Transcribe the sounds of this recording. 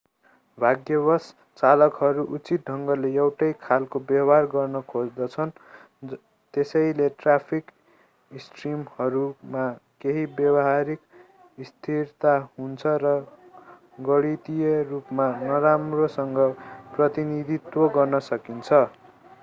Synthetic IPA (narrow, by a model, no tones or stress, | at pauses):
bʱaɡjʌbʌs | t͡salʌkɦʌɾuʔut͡sit̪̚ɖʱʌŋɡʌleewʈʌjkʰalkobjʌbarɡʌrnʌkʰod͡zd̪ʌt͡sʰʌn | t̪esʌjleʈrapʰik | isʈrimhʌɾumakeɦibjʌbʌɦaɾik | ist̪ʰirt̪ahunt͡sʰʌrʌ | ɡʌɽit̪ijʌrupmanʌɾamrosʌŋɡʌprʌt̪inid̪ʱit̪woɡʌrnʌsʌkint͡sʰʌ